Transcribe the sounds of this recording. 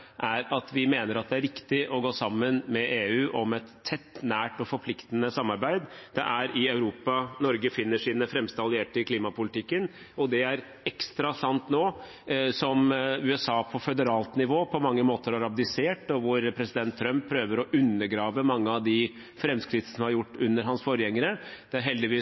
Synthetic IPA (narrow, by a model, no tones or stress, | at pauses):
ʔæɾɑt̪ʋɪmeːnəɾɑt̪̚d̪ɛæɾɪkt̪ɪʔɔɡoːsɑmːənmɛʔeːʉːʔɔmɛt̪ʰːɛt̪ːnæːʈɔfɔɾpʰlɪkt̪ənəsɑmːɑɾbæɪd̪d̪ɛʔæɾɪɑʉɾuːpɑnɔɾɡəfɪnːəʂiːnəfɾɛmst̪əɑlɪeːʈəkʰliːmɑpʊlɪt̪ɪkːən | ɔd̪ɛæɾ | ɛkst̪ɾɑsɑnt̪noː | sɔmʉɛsɑːpʰɔfɛd̪əɾɑːlt̪nɪʋoːpʰɔmɑŋːəmoːt̪əɾɔɾɑp̚d̪ɪseːʈɔʋʊɾpʰɾɛsɪd̪ɛnt̪ʰːɾœmppʰːɾøːʋəɾɔʔʉnːəɾɡɾɑːʋəmɑŋːəɑʋd̪ɪ | fɾɛmskɾɪt̪ːsɔmhɑɾjʊʈːʉnːəɾɦɑnsfɔːɾəjɛŋːəɾəd̪̥ɛæɾɦɛld̪ɪʋiː